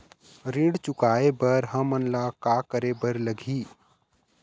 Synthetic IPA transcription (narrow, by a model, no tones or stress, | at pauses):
ɾiɽt͡ʃʊkaːebəɾɦəmənlakakəɾebəɾləɡʱiː